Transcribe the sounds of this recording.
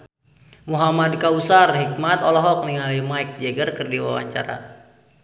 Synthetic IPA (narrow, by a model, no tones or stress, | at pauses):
muɦamadkausarɦik̚mat̪ɔlɔɦɔk̚niŋalimaik̚d͡ʒɛɡərkərdiwawa̰ɲt͡ʃa̰ɾa̰